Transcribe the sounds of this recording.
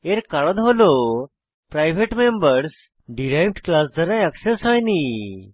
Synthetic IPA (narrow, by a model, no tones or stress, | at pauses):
eɾkaɽɔd̪ɦolo | pɾajʋ̤eʈmembəɾs | ɖiɾajʋʈklasd͡zəɾãjəksesɦajni